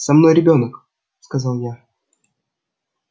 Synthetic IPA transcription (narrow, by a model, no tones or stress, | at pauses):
sɐmno̞jɾʲɪbʲo̞nək | skɐzɑlˠja